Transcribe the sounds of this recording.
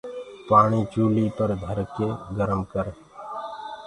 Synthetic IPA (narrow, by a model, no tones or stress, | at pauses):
paːɳ̃iːt͡ʃuːliːpəɾd̪ʱəɾkeːɡəɾəmkəɾ